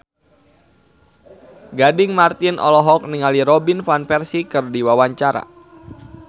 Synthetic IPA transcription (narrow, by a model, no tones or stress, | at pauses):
ɡadɪŋmart̪inʔɔ̰lɔɦɔk̚niŋaliɾɔbinfanfɛrsikɨrdiwawaɲt͡ʃaɾa̰